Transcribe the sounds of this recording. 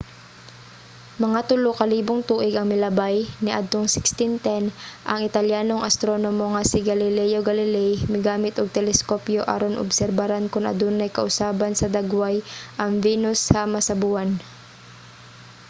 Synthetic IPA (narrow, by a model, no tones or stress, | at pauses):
mɐŋat̪ʊlokɐliːboŋt̪uːʔɪɡɐŋmɪlɐbajnɪʔɐd̪̚t̪oŋsɪkst̪ɪnt̪ɛnʔɐŋɪt̪ɐljaːnoŋʔɐst̪ɾo̞nomoŋasɪɡɐlɪlɛjoɡɐlɪlɛjmɪɡaːmɪt̪oɡ̚t̪ɛlɛskopjoʔa̰ɾonʔo̰bsɛɾbaɾankʊnʔɐ̰d̪onːɐjkɐʔʊsaːbɐnsɐd̪ɐɡwajʔɐŋviːnʊshɐmɐsɐbuan